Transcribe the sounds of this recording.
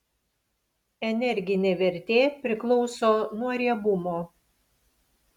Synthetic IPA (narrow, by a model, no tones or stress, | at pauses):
ɛnʲɛɾʲɡʲɪnʲeːʋʲɛɾʲt̪ʲeːpʲɾʲɪklˠɔʊsoːnuɔɾʲiɛbʊmoː